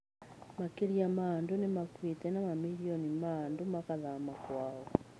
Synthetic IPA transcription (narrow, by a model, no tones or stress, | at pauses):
makeɾiamandunemakwitɛnamamiliɔnimaːndumakaðamakwaɔ